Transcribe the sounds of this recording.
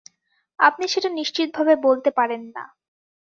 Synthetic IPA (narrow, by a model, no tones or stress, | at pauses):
a̰p̚niʃeʈaniʃt͡ɕit̪̚bʱabebolt̪epaɾenːa̰